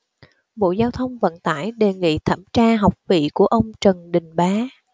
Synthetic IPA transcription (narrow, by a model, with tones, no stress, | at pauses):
ɓo̰˧˨zaː˧wt̪ʰə˧wŋ͡mvə̰˧˨nt̪a̰ː˧˩jɗe˨˩ŋḭ˧˨t̪ʰa̰ː˧˩mt͡ɕaː˧ɦa˨˩wk͡p̚vḭ˧˨ku˧˩əʔə˧wŋ͡mt͡ɕə˨˩nɗï˨˩ŋ̟ɓaː˨˦